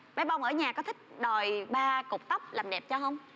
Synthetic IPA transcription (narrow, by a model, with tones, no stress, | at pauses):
ɓa˨˦jɓa˧wŋ͡mʔəː˧˩˦ɲaː˨˩kɔ˨˦t̪ʰï˦˥k̟̚ɗo˨˩jɓaː˧kʊ˨˩k͡p̚t̪ə˦˥wp̚laː˨˩mɗɛ˨˩p̚t͡ɕɔ˧ɦə˧wŋ͡m